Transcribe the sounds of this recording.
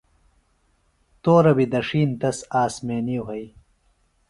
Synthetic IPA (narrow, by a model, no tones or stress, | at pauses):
t̪oːɾɐbid̪ɐʂiːnt̪ɐsaːsmeːniwɦɐj